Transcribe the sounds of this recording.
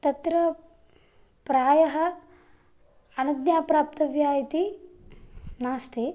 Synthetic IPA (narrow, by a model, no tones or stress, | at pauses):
t̪ɐt̪ɾɐ | pɾaːjɐɦɐ̆ | ɐnɐd̪jaːpɾaːp̚t̪ɐʋjaːjit̪i | naːst̪ʰi